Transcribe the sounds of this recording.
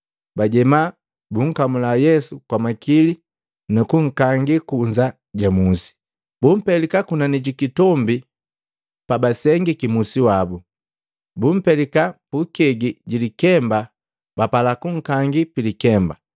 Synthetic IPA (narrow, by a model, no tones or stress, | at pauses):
baɟɛma | buŋ̩kamulajɛsukwamakili | nukuŋ̩kaŋɡikuɲd͡ʒa | ɟamusi̥ | bum̩pɛlikakunaniɟikitɔmbi | pabasɛŋɡikimusiwabu | bum̩pɛlikapukɛɡiɟilikɛmba | bapalakuŋ̩kaŋɡipilikɛmba